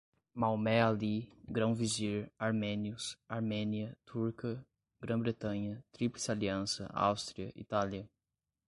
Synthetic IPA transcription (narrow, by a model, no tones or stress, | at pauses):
mawmɛaliɡɾɐ̃w̃viziɾaɾmẽniʊsaɾmẽniɐt̪uɾkɐ | ɡ̥ɾɐ̃bɾet̪ɐ̃ɲɐt̪ɾiplɪsaliɐ̃sɐ̰a̰wst̪ɾiɐʔḭt̪aliɐ